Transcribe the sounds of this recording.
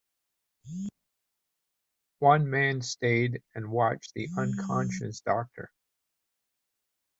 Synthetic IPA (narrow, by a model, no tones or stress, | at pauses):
wʌ̃nmæ̃nsteɪɾɨ̃nwɑt͡ʃðiʔʌ̃nkʰɑ̃nʃɨsd̥ɑk̚tʰə̰˞